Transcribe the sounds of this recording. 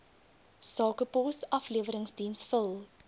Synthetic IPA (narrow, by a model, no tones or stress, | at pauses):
sɑːkəpɔsɐfliəvəɾəŋsdinsfəlˠ